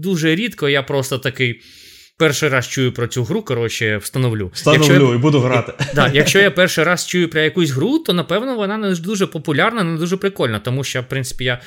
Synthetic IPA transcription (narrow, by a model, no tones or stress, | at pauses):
d̪uʒɛɾʲit̪kɔijapɾɔst̪ɔt̪ɐkɪj | pɛrʃɪjɾɑst͡ʃujʊpɾɔt͡sʲuɦɾukɔɾɔt͡ʃɪwst̪ɐnɔʋlʲust̪ɐjɐnt͡ʃɔlʲuibud̪ʊɦɾat̪ɪd̪ɑjɐkt͡ʃɔjapɛrʃɪɾɑst͡ʃujʊpɾɐjɐkusʲɦɾut̪ɔnɐpɛwnɔʋɔnɑnɛʒd̪uʒɛpɔpʊlʲarnɐnɛnd̪uʒɛpɾɪkɔlʲnɐt̪ɔmuʃt͡ʃjafpɾɪnsɪ̥pʲija